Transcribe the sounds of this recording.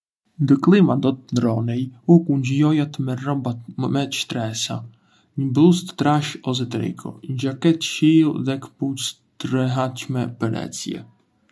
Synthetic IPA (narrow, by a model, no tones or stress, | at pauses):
nd̪əklˠimad̪ɔt̪̚nɾɔnɛjukuɲd͡ʑjɔjat̪mɛɾɔbamɛʃt̪ɾɛsa̰ | ɲəblust̪ːɾaʃɔzɛt̪ɾɛ̰kʰɔ̰ɲd͡ʒakɛt̪ʃilˠðɛkput͡s | t̪ɾəɦat͡ʃmɛpənɛ̰t͡sjɛ̰